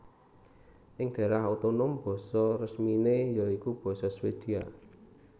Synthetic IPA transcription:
ʔɪŋɖ̪̥a̤ɾaɦut̪onʊmb̥ɔ̤sɔrəsminejɔikub̥ɔ̤sɔswed̪̥i̤a̰

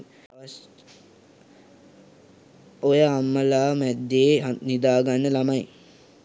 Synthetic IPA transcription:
ojəːmːəlaːmæd̪ːeːnid̪aːɡanːəlamaj

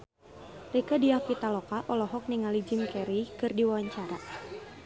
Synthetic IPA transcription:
rikədiahkit̪alɔkaʔɔlɔɦɔk̚niŋalid͡ʒɪmkɛɾikɨrdiwawaɲt͡ʃaɾa

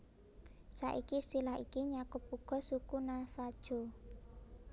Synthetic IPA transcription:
saʔikisilahikiɲakʊpuɡ̥ɔ̤sukunafad̥ʒ̥o̤

